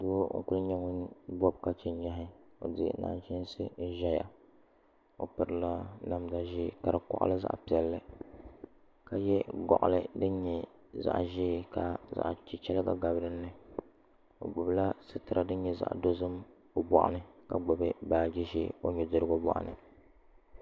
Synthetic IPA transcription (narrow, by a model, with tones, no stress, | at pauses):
do˦ŋ̩̰˦˨ku˦lɲɛ˦ŋo˦bɔ˦b̚ka˦t͡ʃɛ˨n˦ɲa˦ɦɪ˦o̰˨dɨ˦ɡ̰na̰ː˨ʒɪ˦n˦sɨ˦ʒɛ˦ja̰˨ | o̰˨pɨ˨ɾɨ˦la˦na˦mda˦ʒi˦˨ka˨dɨ˨kɔ̰˦ʔa̰˦lɨ˦za̰˦ʔpi˨ɛ˨lːɨ˦ | ka˨jɛ˦ɡɔ̰˨ʔʊ̰˨lɨ˦dɨ˦n˦ɲɛ˨za̰˦˨ʔʒiː˦˨ka˨za̰˨ʔt͡ʃi˨t͡ʃɛ˦lɨ˦ɡa̰˨ɡa˨bɾɨ˦nːɨ˦ | o̰˨ɡ͡bʊ˨bla˦sɨ˦tɨ˨ɾʔa˨dɨ˦n˦ɲɛ˦za̰˨ʔdo˦zɨ˦m | o˨bɔ̰˨ʔa̰˦˨nɨ˦ka˨ɡ͡bʊ˨bɨ˦baː˨d͡ʒɛ˦ʃḭ˦o̰˦ɲɛ˨dɨ˦ɾɨ˦ɡo˦bɔ̰˦˨ʔa̰˨nɨ̰˨